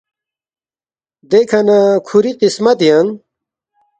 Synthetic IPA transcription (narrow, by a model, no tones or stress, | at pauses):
d̪ekʰɐnakʰuɾiqismɐt̪jɐŋ